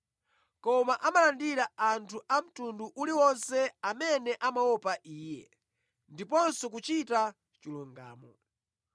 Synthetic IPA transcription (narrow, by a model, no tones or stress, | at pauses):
kɔmaʔamalandiɾaantʰuʔam̩tunduʔuliwɔnsɛamɛnɛʔamawɔpaʔiːjɛ̰ | ndipɔnsɔk̬ut͡ʃita | t͡ʃiluŋɡa̰ːmɔ̰